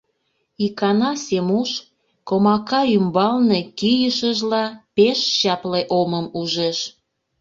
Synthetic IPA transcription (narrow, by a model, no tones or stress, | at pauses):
ikɑnɑsemuʃ | komɑkɑymbɑlnekijəʃəʒlɑpeʃɕɑpleʔoməmuʒeʃ